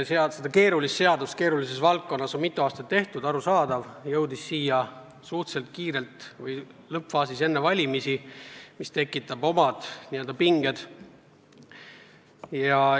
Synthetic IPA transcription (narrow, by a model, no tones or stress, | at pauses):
seɑsed̪̥ɑke̞ːɾulisːe̞ɑd̪̥ust̪ke̞ːɾulise̞svɑlt̚kːo̞nːɑso̞nmit̪ːˑuɑːst̪ɑt̪ːe̞ht̪ud̪ɑɾusɑːd̪̥ɑvjɤwd̪isːiːjɑ | suht̪se̞lt̪̚kiːɾe̞lt̪vɤjlɤpfɑːsise̞nːevɑlʲimisimist̪e̞kːˑit̪ːˑɑb̥o̞mɑd̪̥nie̞ld̪ɑpiŋɡ̥e̞d̪̥ | jɑ